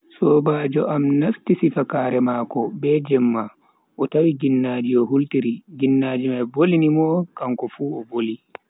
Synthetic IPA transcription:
sɔːbaːd͡ʒɔʔamnastisifakaːɾɛmakɔbɛd͡ʒɛmːa | ʔɔtawiɡinːaːd͡ʒiɔhultiɾiɡinːaːd͡ʒimajbolinimɔkaŋkɔfuːɔboli

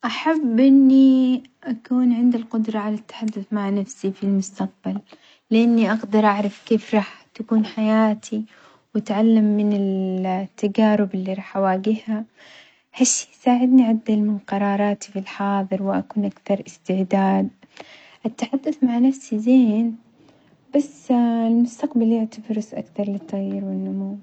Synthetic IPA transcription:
ʔaħabːʔɪnːi | ʔakuːnʕɪnd̪alqʊd̪ɾˤɑʕalat̪ːḁħad̪ːʊθmaʕnafsifilmʊst̪aq̚balː | ɪʔanːiʔaɡd̪ɑɾˤʔaʕɾˤɑfkeːfɾˤɑːħt̪akuːnħajaːt̪ʰi | wat̪ʕalːamːɪnɪlt̪ːaɡaːɾɪbɪlːiɾˤɑːħʔawaːɡɪhha | haʃːi̥saːʕɪd̪niʕad̪ːalmɪnqɑɾˤɑːɾˤɑːt̪ifilħɑːðˤɨɾwɪʔakuːnʔakθɑɾˤʔɪst̪ɪʕd̪aːd̪̚ | ʔat̪ːaħad̪ːaθmaʕnafsizeːn | b̥asːɪlmʊst̪aqbaljɪʕt̪abɾɪsʔa̰kθɑɾˤlɪt̪ˤːɑɣiɾwɪnːʊmuw

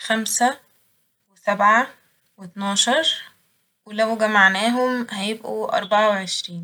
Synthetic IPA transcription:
xæmsæ | wɪsæbʕa | wet̪nɑːʃɑɾˤ | welæwɡæmaʕnæːɦʊmhæjɪbʔuʔɑ̰ɾˤbɑʕaweʕeʃɾiːn

